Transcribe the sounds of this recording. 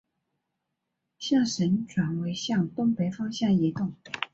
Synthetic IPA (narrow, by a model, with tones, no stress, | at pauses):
ɕjɑ˥˩ŋʂə˧˥nʈ͡ʂʰwa˧˥nwe˧˥ɪɕjɑ˥˩ŋt̪ʊ˥ŋpe˧˥ɪfɑ˥ŋɕjɑ˥˩ŋjɛ˧˥t̪ʊ˥˩ŋ